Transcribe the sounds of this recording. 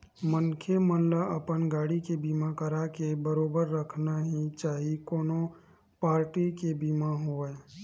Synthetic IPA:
mənkʰemənləɐpənɡaːɽikebiːmakəɾakebəɾoːbəɾːəkʰnaɦit͡ʃaːɦikoːnõ | paːɾʈikebiːmaɦoːe

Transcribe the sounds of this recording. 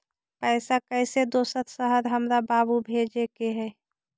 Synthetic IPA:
pəɪsakəɪsed̪osət̪səɦəɾɦəmɾababubʱed͡ʒekeɦɛ

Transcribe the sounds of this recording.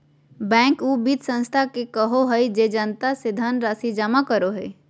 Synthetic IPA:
bɛ̃ːŋkuːbit̪sə̃nst̪ʰakekəɦoɦəid͡ʒeːd͡ʒənt̪asɪd̪ʱanɾaːsid͡ʒəmakəɾoɦəi

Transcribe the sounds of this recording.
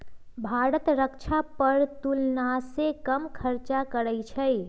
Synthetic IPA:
bʱaɾət̪ɾəkt͡ʃʰapəɾt̪ulnasekəmkʰəɾt͡ʃakəɾəjt͡ʃʰə

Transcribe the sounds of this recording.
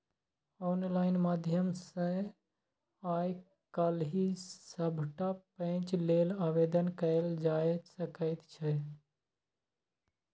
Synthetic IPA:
ɔːnlaːɪnmaːd̪ʱjəmsẽ | aj | kalɦisəbʱʈapə̃t͡ʃlelaːʋed̪ənkəeld͡ʒajsəkəɪt̪t͡ʃʰɛ

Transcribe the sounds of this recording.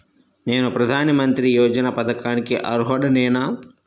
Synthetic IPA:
ne̞ːnupɾɐd̪ʱaːnɐmɐnt̪ɾijɔːd͡ʒɐnɐpɐd̪ɐkaːnikiʔɐ̰ɾuɦɐɽɐnɛːnɐ

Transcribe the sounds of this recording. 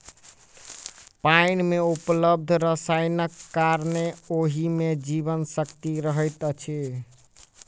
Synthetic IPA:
paɪnmeupləb̚d̪ʱɾəsaɪnəkːaɾneoɦimed͡ʒiβənsəkt̪iɾəɦəjt̪ət͡ʃʰe

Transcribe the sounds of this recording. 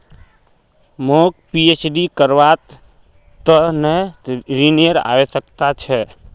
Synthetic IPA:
mokpiet͡ʃɖikəɾʋat̪ | t̪ənɛɾiniəɾa̰esəkt̪at͡ʃʰɛ

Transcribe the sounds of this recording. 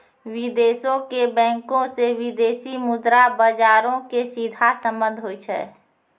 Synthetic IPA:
wɪd̪eːsõkebɛ̃ːŋkõsewɪd̪eːsimʊd̪ɾabəd͡ʒaːɾõkesid̪ʱasə̃mbə̃nd̪ʱɦoit͡ʃʰɛ̰ː

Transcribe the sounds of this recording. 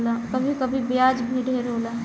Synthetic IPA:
lakɐbʱikɐbʱibɪjaːd͡ʒbʱiɖʱeːɾoːlaː

